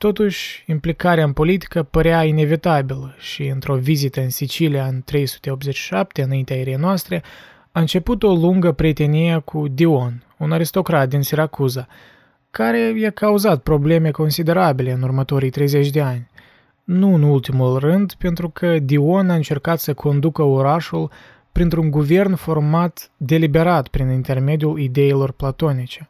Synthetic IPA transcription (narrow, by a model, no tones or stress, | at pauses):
t̪o̞t̪uʃʲimplikaɾeaɨnpo̞lit̪i̥kəpəɾeaine̞vit̪abilʃiɨnt̪ɾo̞vizit̪əɨnsit͡ʃilijaɨnt̪ɾe̞jsu̥t̪e̞o̞p̪̚ze̞t͡ʃʃi̥ʃap̚t̪e̞ɨnaint̪eaeɾejnoast̪ɾe̞ | aɨnt͡ʃe̞put̪o̞luŋɡəpɾie̞t̪e̞nijekʰud̪io̞n | unaɾist̪o̞kɾat̪̚d̪insiɾakuza | kaɾe̞jakauzat̪̚pɾo̞ble̞me̞ko̞nsid̪e̞ɾabile̞ɨnurmət̪o̞ɾijt̪ɾe̞jze̞t͡ʃʲd̪e̞anʲ | nuɨnult̪imulrɨnd̪pe̞nt̪ɾukʰəd̪io̞naɨnt͡ʃe̞rkat̪səkʰo̞nd̪ukəoɾaʃul | pɾint̪ɾuŋɡuve̞rnfo̞rmat̪d̪e̞libe̞ɾat̪pɾinint̪e̞rme̞d̪ijulid̪e̞ilo̞rplat̪o̞nit͡ʃe̞